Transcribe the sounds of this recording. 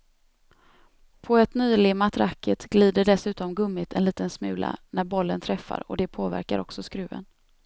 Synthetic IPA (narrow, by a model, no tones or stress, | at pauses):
pʰɔɛt̪nyːlɪmat̪ɾakʰːət̪ɡ̥liːd̪əɖɛsʉ̟ːt̪ɔmɡɵmːɪt̪ʰɛnliːt̪ənsmʉ̟ːla̰næɾbɔlːənt̪ʰɾɛfːa̰ɾɔ̰d̪ɛpʰoːvæ̰ɾka̰ɾʔɔksɔskɾʉ̟ːə̰n